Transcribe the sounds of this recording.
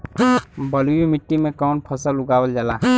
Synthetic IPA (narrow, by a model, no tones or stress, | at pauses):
bəluimɪʈːimẽkɔːnpʰəsəlʊɡaːwəld͡ʒalaː